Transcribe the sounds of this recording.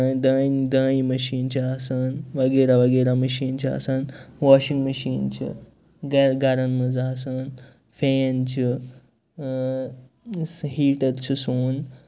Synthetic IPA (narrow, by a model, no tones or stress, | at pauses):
d̪ɐːd̪ə̃ːĩmɐʃiːnt͡ʃʰiasaːnʋɐɡeːɾaʋɐɡeːɾamɐʃiːnt͡ʃʰia̰saːnʋaːʃĩŋɡmɐʃiːnt͡ʃʰḭ | ɡɾɡɐɾɐnmɐzaːsaːn | feːnt͡ʃʰi | ɦiːʈɐɾt͡ʃʰisuːn